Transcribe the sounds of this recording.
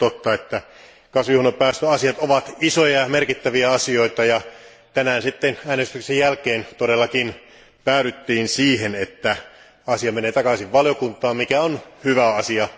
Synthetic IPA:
t̪ot̪ːɑet̪ːæ | kɑsʋujuhnopæːst̪øɑsiɑt̪oʋɑt̪isojɑmerkit̪ːæʋiæɑsio̞it̪ɑjɑ | t̪ænæːnsit̪ːenæːnest̪yksejjælkeːnt̪odelːɑkin | pæːɾyt̪ːiːnsiːhenet̪ːæ | ɑsiɑmeneːt̪ɑkɑsiʋʋɑljokunt̪ˑɑːmmikæonhyʋæɑsiɑ

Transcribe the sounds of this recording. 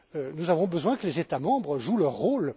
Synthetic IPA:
ønuzavɔ̃bəzwɛ̃kəlezet̪amɑ̃bʁəʒulœʁːol

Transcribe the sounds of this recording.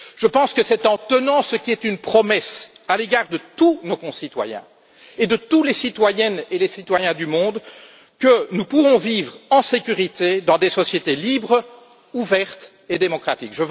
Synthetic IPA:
ʒ̥əpɑ̃skəsɛt̪ɑ̃t̪ənɑ̃səkʲiɛt̪ynpχɔmɛsaleɡaːʁd̪ət̪unokɔ̃sit̪wa̰jɛ̰̃ | ed̪ət̪ulesit̪wajɛnelesit̪wajɛ̃d̪ymɔ̃d̪ | kənupuvɔ̃vivʁɑ̃sekʲyʁit̪ed̪ɑ̃d̪esɔsjet̪elibʁ | uvɛʁt̪ | ed̪emɔkχat̪ikʒəv

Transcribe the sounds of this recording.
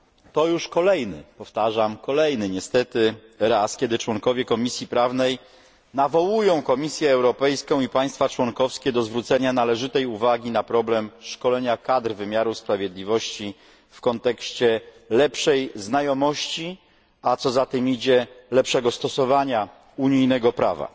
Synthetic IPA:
t̪ɔjuʂkɔlɛjnɘ̰pɔft̪aʐamkɔlɛjnɘɲɛst̪ɛt̪ɘɾaskʲɛd̪ɘt͡ʂwɔŋkɔvʲjɛkɔmʲisʲjipɾavnɛj | navɔwujɔ̃w̃kɔmʲisʲjɛːwɾɔpɛjskɔ̃w̃ipaj̃st̪fat͡ʂwɔŋkɔfskʲɛd̪ɔzvɾut̪sɛɲanalɛʐɘt̪ɛjuvaɡʲinapɾɔblɛmʂkɔlɛɲakad̪ɾvɘmʲjaɾuspɾavʲjɛd̪lʲivɔɕt͡ɕi | fkɔnt̪ɛkɕt͡ɕɛ | lɛpʂɛjznajɔmɔɕt͡ɕi | at̪sɔzat̪ɘmid͡ʑɛlɛpʂɛɡɔst̪ɔsɔvaɲa | uɲijnɛɡɔpɾa̰va̰

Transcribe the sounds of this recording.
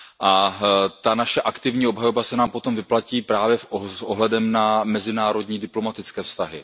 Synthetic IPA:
ʔat̪anaʃɛʔakt̪ɪvɲiːo̞bɦajobasɛnaːmpo̞t̪o̞mvɪplaciːpɾaːvjɛsʔoɦlɛdɛmnamɛzɪnaːɾo̞dɲiːdɪplo̞mat̪ɪt͡skɛːfst̪aɦɪ̰

